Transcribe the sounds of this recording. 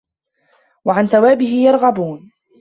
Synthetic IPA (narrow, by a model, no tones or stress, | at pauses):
waʕanθawaːbɪɦɪjɑɾˤɣɑbuːn